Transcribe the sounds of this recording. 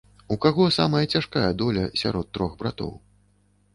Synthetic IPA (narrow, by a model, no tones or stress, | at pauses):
ukaɣɔsamɐjɐt͡sʲaʂkajɛd̪ɔlʲɐsʲa̰ɾɔt̪ːɾɔɣbɾat̪ɔ̰w